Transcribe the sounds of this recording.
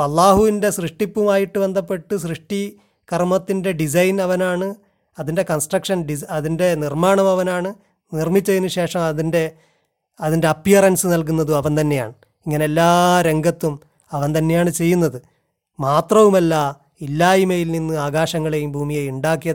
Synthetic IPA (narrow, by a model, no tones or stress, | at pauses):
ɐlˠːaːɦuʋinde̞srɨʂʈipːumaːjiʈːube̞nd̪ɐpːe̞ʈːɨs̬rɨʂʈi | kɐrmɐt̪ːinde̞ɖis̬ɐjnɐʋɐnaːɳɨ | ɐðinde̞kɐnsʈrɐkʂɐnɖisɐðinde̞nirmaːɳɐmɐʋɐnaːɳɨ | nirmit͡ɕːɐjinːuɕe̞ːʂɐmɐðinde̞ | ɐðinde̞ɐpːijɐrɐnsɨnɐlk̬unːɐðɨɐʋɐnt̪ɐnːe̞ja̰ːɳɨ | iŋːɐneelːaːɾe̞ŋɡɐt̪ːum | ɐʋɐnt̪ɐnːe̞jaːɳɨt͡ɕe̞jːun̪ːɐðɨ | maːt̪rɐʋumɐlːɐ | ilːaːimɐjilninːɨaːɡaːɕɐŋːɐɭe̞jumbʱuːmijɐjuɳɖaːkːijɐ